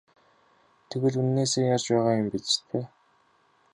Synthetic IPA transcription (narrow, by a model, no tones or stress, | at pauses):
t̪ʰeɣɘ̆ɮunːeːseːjat͡ɕpæːʁaːjʊmpit͡s̆t̪ʰpʰeː